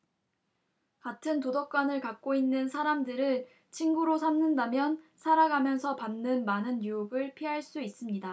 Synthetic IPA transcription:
katʰɯntodʌk͈wanɯɭkak̚k͈oinːɯnsʰaɾamdɯɾɯɭ | t͡ɕʰinɡuɾosʰamnɯndamjʌnsʰaɾaɡamjʌnsʰʌpanːɯnmanɯnjujuɡɯɭpʰiɦaɭs͈uis͈ɯmɲida

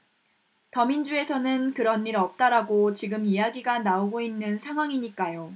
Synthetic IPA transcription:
tʌmind͡ʑue̞sʰʌnɯnkɯɾʌnːiɾʌp̚t͈aɾaɡot͡ɕiɡɯmijaɡiɡanaoɡoinːɯnsʰaŋɦwaŋiɲik͈ajo

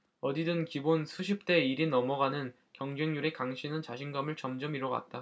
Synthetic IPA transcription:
ʌdidɯnkibonsʰuɕʰip̚t͈e̞iɾinʌmʌɡanɯn | kjʌŋd͡ʑeŋɲuɾe̞kaŋɕʰinɯnt͡ɕaɕʰinɡamɯɭt͡ɕʌmd͡ʑʌmiɾʌɡwa̰t̚t͈a

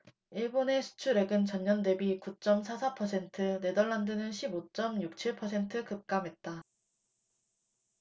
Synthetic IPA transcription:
iɭbone̞sʰu̥t͡ɕʰuɾe̞ɡɯnt͡ɕʌɲɲʌnde̞bikut͡ɕ͈ʌmsʰasʰapʰʌsʰe̞ntʰɯne̞dʌɭːandɯnɯnɕʰibot͡ɕ͈ʌmɲuk̚t͡ɕʰiɭpʰʌsʰe̞ntʰɯkɯp̚k͈amɦe̞t̚t͈a

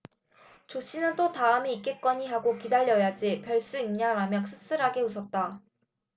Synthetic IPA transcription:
t͡ɕoɕ͈ʰinɯnt͈otaɯmiik͈e̞k͈wʌɲiɦaɡokidaʎːʌjad͡ʑipjʌɭs͈uimɲaɾamjʌks͈ʰɯ̥s͈ɯɾɦaɡe̞usʰʌt̚t͈a

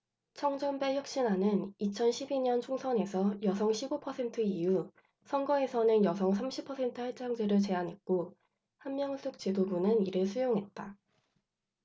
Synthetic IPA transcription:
t͡ɕʰʌŋd͡ʑʌmbe̞jʌk̚ɕ͈inanɯnit͡ɕʰʌnɕʰibiɲʌnt͡ɕʰoŋsʰʌne̞sʰʌjʌsʰʌŋɕʰibopʰʌsʰe̞ntʰɯiju | sʰʌŋɡʌe̞sʰʌnɯnjʌsʰʌŋs̬ʰamɕʰipʰʌsʰe̞ntʰɯheɭt͡ɕ͈aŋd͡ʑeɾɯɭt͡ɕe̞ɦanɦet̚k͈o | hanmjʌŋs͈ʰuk̚t͡ɕidobunɯniɾɯɭsʰujoŋɦe̞t̚t͈a

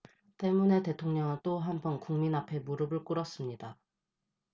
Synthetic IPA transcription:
t͈e̞mune̞te̞tʰoŋɲʌŋɯt͈oɦambʌnkuŋminapʰe̞muɾɯbɯɭk͈uɾʌs͈ɯmɲida

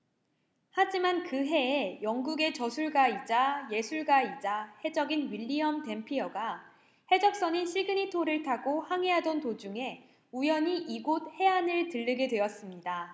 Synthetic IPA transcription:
had͡ʑimankɯɦe̞ːjʌŋɡuɡe̞t͡ɕʌsʰuɭɡaid͡ʑaje̞sʰuɭɡaid͡ʑahe̞d͡ʑʌɡinɥiʎːiʌmte̞mpʰiʌɡa | he̞d͡ʑʌk̚s͈ʌɲiɕʰiɭɡɯɲitʰoɾɯɭtʰaɡohaŋɦeɦadʌntod͡ʑuŋe̞ | ujʌɲiʔiɡod̚he̞anɯɭtɯɭːɯɡe̞dwe̞jʌs͈ɯmɲida

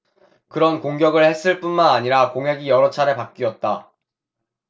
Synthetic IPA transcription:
kɯɾʌnkoŋɡjʌɡɯɭhe̞s͈ɯɭp͈unmanaɲiɾakoŋɦe̞ɡijʌɾʌt͡ɕʰaɾe̞pak̚k͈iʌt̚t͈a

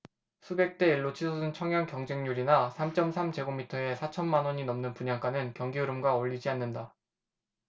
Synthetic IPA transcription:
sʰube̞k̚t͈e̞iɭːot͡ɕʰisʰʌsʰɯnt͡ɕʰʌŋjʌŋkjʌŋd͡ʑeŋɲuɾinasʰamt͡ɕ͈ʌmsʰamd͡ʑe̞ɡomitʰʌe̞sʰat͡ɕʰʌnmanwʌɲinʌmnɯnpuɲaŋk͈anɯnkjʌŋɡiɯɾɯmɡwaoʎːid͡ʑianːɯnda

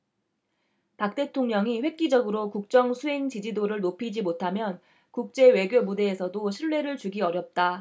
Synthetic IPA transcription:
pak̚t͈e̞tʰoŋɲʌŋiɸwe̞k̚k͈id͡ʑʌɡɯɾokuk̚t͡ɕ͈ʌŋsʰuɦe̞ŋt͡ɕid͡ʑidoɾɯɭnopʰid͡ʑimotʰamjʌn | kuk̚t͡ɕ͈e̞we̞ɡjomude̞ːsʰʌdoɕʰiɭːe̞ɾɯɭt͡ɕuɡiʌɾjʌp̚t͈a

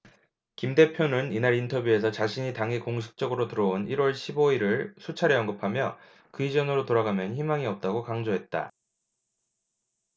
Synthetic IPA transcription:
kimde̞pʰjonɯninaɾintʰʌbjue̞s̬ʰʌt͡ɕaɕʰiɲitaŋɦikoŋs̬ʰɯ̥k̚t͡ɕ͈ʌɡɯɾotɯɾʌoniɾwʌɭɕʰiboiɾɯɭsʰut͡ɕʰaɾeʌŋɡɯpʰamjʌ̰ | kɯid͡ʑʌnɯɾotoɾaɡamjʌnçimaŋiʌp̚t͈aɡokaŋd͡ʑoɦe̞t̚t͈a̰

